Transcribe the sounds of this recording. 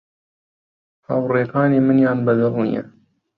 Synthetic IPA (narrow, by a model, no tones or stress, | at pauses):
hɐ̰wreːkaːniːmɨnjaːnbɐd̪ɐrnḭjɛ̰